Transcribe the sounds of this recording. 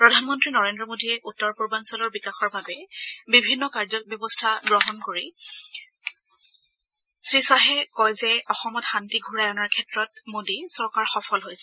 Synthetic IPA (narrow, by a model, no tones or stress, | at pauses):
pɹɔdʱanmɔntɹinɔɹendɹɔmodiɛʔutːɔɹpuɹbansɔlɔɹbikaxɔɹbʱabɛbibʱinːɔkaɹzɔk̚bjɔbɔstʰaɡɹɔɦɔnkoɹi | sɹisaɦɛkɔjzɛɔxɔmɔtxantiɡʱuɹajɔnaɹkʰɛtɹɔt̚modisɔɹkaɹxɔfʰɔlɦojsɛ